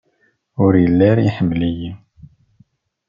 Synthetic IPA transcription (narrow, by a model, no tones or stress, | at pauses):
ʊɾjəlːæɾiħəmːlijim